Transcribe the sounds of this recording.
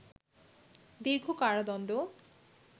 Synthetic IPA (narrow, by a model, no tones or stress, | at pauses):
d̪iɾɡʱokaɽad̪ɔnd̪o